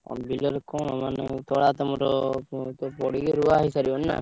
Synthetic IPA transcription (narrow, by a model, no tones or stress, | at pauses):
bilɔɾkɔnɔmanet̪ɔɽat̪ɔmɔɾɔt̪ɔɾpɔɽikeɾuaɦisaɾibɔnna̰